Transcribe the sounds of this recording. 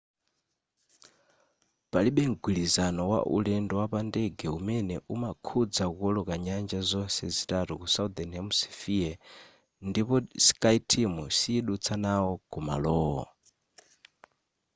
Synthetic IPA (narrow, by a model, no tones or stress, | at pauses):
paliɓɛŋɡwiɺizanɔwa̰ʔṵɺɛndɔwapandɛɡɛumɛnɛʔumakʰud͡zakukɔɺɔkaɲand͡ʒazɔnsɛzitatukusaud̪anamusi̥fia | ndipɔsi̥kʼaitʰimusiːɗut͡sʰanaɔkɔma̰lɔːɦɔ̰